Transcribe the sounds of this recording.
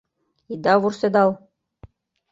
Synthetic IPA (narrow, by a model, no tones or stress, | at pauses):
id̪ɑβursed̪ɑlˠ